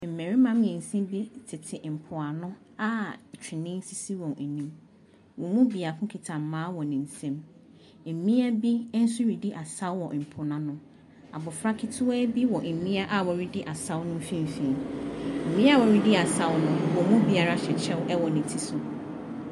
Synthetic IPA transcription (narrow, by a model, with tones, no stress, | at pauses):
m̩˨mɛ̃˨ɾi˦mã˦m˦˨ɛ̃˨n̩˨sɛ̃˦bi˦tʰɪ˨tʰɪ˨m̩˨pʰʊ˨a˨nʊ̃˦ | a˦˨t͡ɕᶣɪ˨nɪ̃˦n̩˦si˦si˦wɔ̃˨nɛ˨nĩ˦m | wɔ̃˨mũ˦bi˨a˨kʰʊ̃˦kʰɪ˨tʰã˨mː˨ãː˨˦wɔ˨nɪ̃˨n̩˨sɛ̃˦m | m̩˨mĩ˦æ˦bi˦n̩˦sʊ˦ɾi˨di˦ʔa˨sa˦wwɔ˨m̩˨pʰʊ˨nã˦nʊ̃˦ | a̰˨bʊ˨fɾa˦kʰɪ˦tʰʊ˦a˦bi˦wɔ˨m̩˨mĩ˦a˦ʔa˨wɔ˨ɾi˦dɪ˦ʔa˨sa˦wnʊ̃˦m˦fĩ˦m˨fĩ˨m̩˨mĩ˦a˦wɔ˨ɾi˦dɪ˦a˨sa˦wnʊ̃˦wɔ˨mũ˦bi˨a˨ɾa˦ɕɛ˨t͡ɕʰɛ˦wʔɛ˦wɔ˨nɪ̃˨tʰi˨sʊ˨